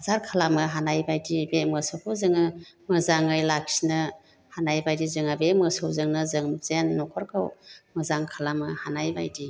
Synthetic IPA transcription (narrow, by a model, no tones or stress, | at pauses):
zaɾkʰalamɯɦanajbajdibemɯsɯhɯwzɯŋɯmɯzaŋɯjlak̚sinɯ | hanajbajdizɯŋabemɯsawzɯŋnɯzɯŋmzanːɔkʰɔɾkʰawmɯzaŋkʰalamɯhanajbajdi